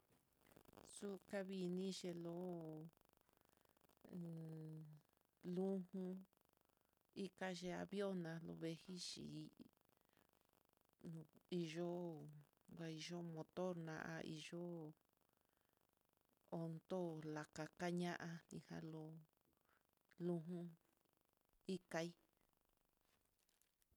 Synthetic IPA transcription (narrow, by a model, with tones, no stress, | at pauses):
su˦ka˧βi˧nĩ˦ʒe˧lo˧˦˨ | lũ˦hũ˧ | i˦ka˦ʒe˧a̰˧βjo˦nã˧lo̰˧βe˧hi˦ʃḭ˨˦ | nũ˨˧i˧ʒo˦ | ɡʷa˧i˧ʒo˦mõ˧t̪o˦ɾnã̰˧ʔa̰˧ʔḭ˧ʒo˦ | o˧nd̪o˦la˨ka˧ka˦ɲã˦ʔa˧nḭ̃˧hã̰˧lo˧ | lũ˧ɦũ˦ | i˦ka˧i˦